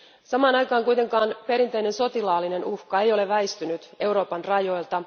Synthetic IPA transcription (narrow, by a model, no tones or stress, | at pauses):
sɑmɑːnɑjkɑːŋkujt̪e̞ŋkɑːnpe̞ɾint̪e̞jne̞nso̞t̪ilɑːlːine̞nuhkɑe̞jo̞le̞ʋːæist̪ynyt̪e̞uɾo̞ːpɑnrɑjo̞jlt̪ɑ